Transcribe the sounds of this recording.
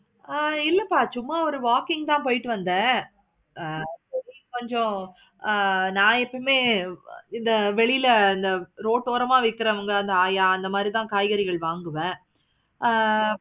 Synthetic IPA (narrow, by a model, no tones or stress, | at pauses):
ɪlːɐpːaːt͡ʃʊmːaːɔɾɯʋaːkɪŋɡ̚t̪ãːpoːjɪʈːɯʋɐnd̪ẽː | pɛɾikɔɲd͡ʒɔ̃ | nãːɛpːɐmeː | ɪnd̪ɐʋɛɭɪjɪlɪnd̪ɐɾoːʈːoːɾɐmaːʋɐɪkːɯɾɐɐʋɐŋɡɐɐnd̪ɐaːjaːɐnd̪ɐmaːd̪ɾit̪ãːkaːjɣɐɾɪɣɐɭʋaːŋɡɯʋẽː